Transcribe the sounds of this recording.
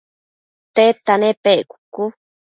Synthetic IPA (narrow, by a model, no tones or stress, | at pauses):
t̪et̪anẽpeʔkʷu̥ku